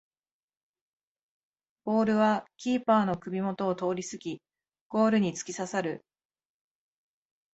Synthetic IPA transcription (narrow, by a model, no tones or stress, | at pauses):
b̥o̞ːɾɯ̟βakʲiːpaːno̞kɯ̟bʲimo̞t̪o̞ːt̪o̞ːɾʲisɨɡʲi | ɡ̥o̞ːɾɯ̟ɲ̟it͡sɨ̥kʲisasaɾɯ̟